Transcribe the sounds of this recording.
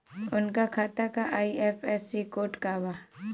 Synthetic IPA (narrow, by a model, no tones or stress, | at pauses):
ʊnkakʰaːt̪akaʔaːiɛːfʰɛːsikoːʈkaːba